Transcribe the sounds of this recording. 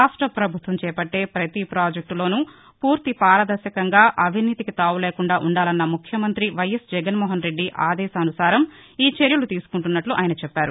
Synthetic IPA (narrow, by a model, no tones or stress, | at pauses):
aːʂʈɾɐpɾɐbʱut̪ʋɐmt͡ʃɛːpɐʈːe̞ːpɾɐt̪ipɾaːd͡ʒek̚ʈlo̞ːnu | puːɾt̪ipaːɾɐd̪ɐɾʃɐkɐŋɡaːʔɐbʱiniːt̪ikit̪aːwuleːkuɳɖaːʔuɳɖaːlɐnːɐmukʰjɐmɐnt̪ɾiʋɐjɐsd͡ʒɛɡɐnmɔːɦɐnɾe̞ɖːiʔaːd̪ɛːsaɐnusaːɾɐm | iːt͡ʃeɾjulut̪iːsu̥kuɳʈunːɐʈluʔaːjɐnɐt͡ʃɛpːaːɾu